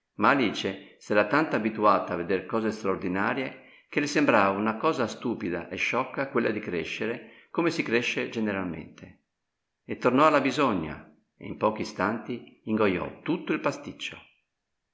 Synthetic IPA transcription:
maːliːt͡ʃesɛɾat̪ant̪oabit̪uaːt̪aavːed̪erkɔːzest̪ɾaoɾd̪inaːɾje | k̟elisembɾaːvaunakɔːzast̪uːpid̪a̰ʔeʃːɔkːakwelːad̪ikɾḛʃːeɾe | komesikɾeʃːed͡ʒeneɾalmḛnt̪e | et̪ːornɔalːabizɔɲːa̰ | ḛimpɔːk̟ist̪ant̪iiŋɡojɔ̰t̪ːut̪ːoilpast̪it͡ʃːo̰

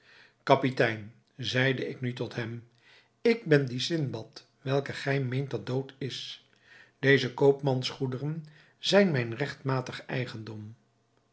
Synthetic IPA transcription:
kɑpitɛjn | zɛjdəɪknytɔtɦɛm | ɪɡ̚bɛndisɪnbɑt | ʋɛlˠkəχɛjmejnt̚dɑt̚dowtɪs | d̥ejzəkowpmɑnsχudərən | zɛjnmɛjnrɛχtmaːtəχɛ̰jχəndɔm

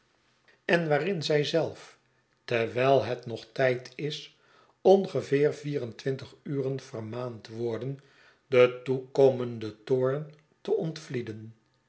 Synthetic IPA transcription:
ɛnʋaːrɪnzɛjzɛlˠf | tɛɹʋɛjlˠɦɛtnɔχtɛjtʰɪs | ɔnχəvɪːɹviːrəntʋɪntəχyːrənv̥ərmaːntʋɔɹdən | dətukowməndətʊːɹn | təʔɔntflidən

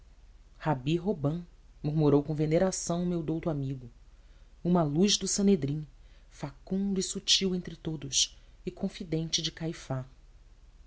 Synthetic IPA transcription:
habiɦobɐ̃ | muɾmuɾowkõveneɾasɐ̃w̃ʊmewd̪owt̪ʊamiɡʊ | ũmɐlujzd̪ʊsɐ̃ned̪ɾĩ | fakũnd̪uisut͡ʃiwẽnt̪ɾɪt̪od̪ʊʃɪkʰõfid̪ẽnt͡ʃɪd͡ʒɪkajfa

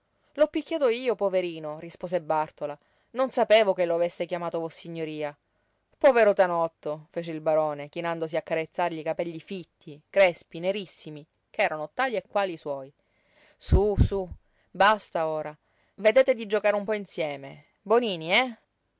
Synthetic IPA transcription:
lɔpːikʲːjaːt̪oiːopoveɾiːnorispoːzebart̪ola | nonsapeːvokeloavesːekjamaːt̪ovɔsːiɲːoɾiːa | pɔveɾot̪anɔt̪ːofeːt͡ʃeilbaɾɔːnek̟inand̪os̬iakːaɾet̪sːarʎikapɛʎːifit̪ːikɾɛspineɾisːimi | keɛːɾanot̪aːliekːwaːliswɔːj | susu | bast̪aoːɾa | ved̪eːt̪ed̪id͡ʒokaɾeumpɔinsjɛːme | boniːniɛ

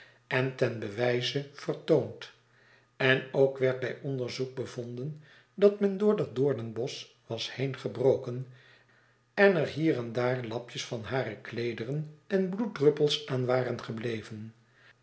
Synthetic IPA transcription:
ɛntɛnbəʋɛjzəfərtownt | ɛnowkʋɛɹt̚bɛjɔnd̪əɹzuk̚bəvond̪ən | dɑtmɛndʊːɹdɑt̚dʊːɹdənbɔs | ʋɑshejnχəbrowkən | ɛnəɹɦiːrɛndaːɹlɑpjəsfɑnɦaːɾəklejdərənɛnbluddrɵpəlˠsaːnʋaːrənχəblejvən

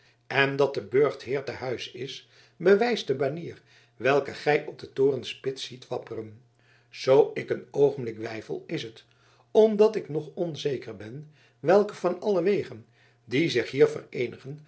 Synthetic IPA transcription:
ɛndɑt̚dəbøɹχtɦɪːɹtəɦœɥsɪs | bəʋɛjsdəmaniːr | ʋɛlˠkəχɛjʔɔp̚dətoːrənspɪtsitʋɑpərən | z̥owɪkənowχəmblɪkʋɛjfə̰lˠɪsɦət | ɔmdɑtɪknɔχɔnzejkərbɛn | ʋɛlˠkəvɑnɑləʋejχən | dizɪχɦiːɹvə̰rejnəχən

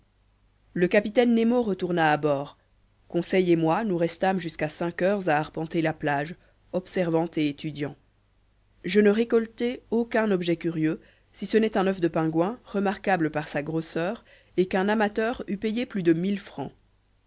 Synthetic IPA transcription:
ləkapit̪ɛnːemoʁət̪uʁnaːbɔːʁ | kɔ̃sɛjemwanuʁɛst̪amʒyskasɛ̃kœːʁzaːʁpɑ̃t̪elaplaʒ | ɔpsɛʁvɑ̃t̪eet̪ʰyd̪jɑ̃ | ʒənəʁekɔlt̪ɛokɛ̃nɔbʒɛkʲyʁjø | sisənɛt̪ɛ̃nœfd̪əpɛ̃ɡwɛ̃ʁəmaʁkabləpaʁsaɡʁosœːʁ | ekɛ̃namat̪œːʁypejeplyd̪əmilfχɑ̰̃

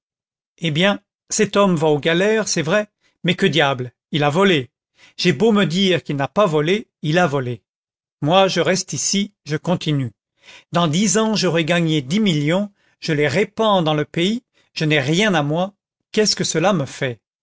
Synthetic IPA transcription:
ebjɛ̃ | sɛt̪ɔmvaoɡalɛʁsɛvʁɛ | mɛkəd̪jabl | ilavɔle | ʒ̥ɛboməd̪iʁkilnapavɔleilavɔle | mwaʒəʁɛst̪isiʒəkɔ̃t̪iny | d̪ɑ̃d̪izɑ̃ʒəʁɛɡaɲed̪imiljɔ̃ | ʒ̥əleʁepɑ̃d̪ɑ̃ləpei | ʒ̥ənɛʁjɛ̃namwa | kɛskəsəlaməfɛ

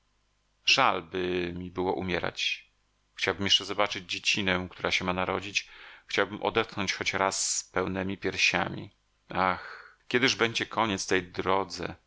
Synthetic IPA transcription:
ʐ̥albɘmʲibɘwɔ̰ʔumʲjɛɾa̰t͡ɕ | xt͡ɕawbɘmjɛʂt͡ʂɛzɔbat͡ʂɘd͡ʑd͡ʑet͡ɕinɛkt̪uɾaɕɛmanaɾɔd͡ʑit͡ɕxt͡ɕawbɘmʔɔ̰d̪ɛt̪̚xnɔɲt͡ɕxɔt͡ɕɾasːpɛwnɛmʲipʲjɛɾɕa̰mʲḭ | ʔaxkʲɛd̪ɘʐbɛɲd͡ʑɛkʰɔɲɛt̪st̪ɛjd̪ɾɔd̪zɛ̰

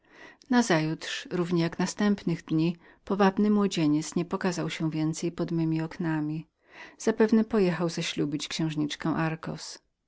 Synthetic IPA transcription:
nazajut̪ʂɾuvɲɛjaknast̪ɛmpnɘɣd̪ɲi | pɔvabnɘmwɔd͡ʑeɲɛt̪sɲɛpɔkazawɕɛ̃vʲjɛnt̪sɛjpɔd̪mɘmʲiɔknamʲi | z̥apɛvnɛpɔjɛxawzaɕlubʲit͡ɕkɕɛ̃w̃ʐɲit͡ʂkɛ̃ʔaɾkɔ̰s

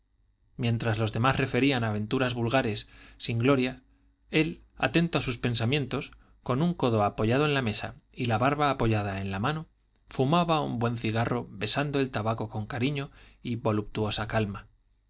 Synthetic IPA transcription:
mje̞nt̪ɾazlo̞zðe̞masre̞fe̞ɾianaβẽ̞nt̪uɾazβulɣaɾe̞sːiŋɡlo̞ɾja | e̞la̰t̪e̞nt̪oasuspe̞nsamje̞nt̪o̞s | ko̞nuŋko̞ðo̞apo̞ʝaðo̞e̞nlame̞sa̰ilaβaɾβaːpo̞ʝaðae̞nlamãno̞ | fumaβaumbwe̞nθiɣ̞aro̞βe̞sand̪oe̞lt̪aβako̞ko̞ŋkaɾiɲo̞iβo̞lup̚t̪uo̞sakalma

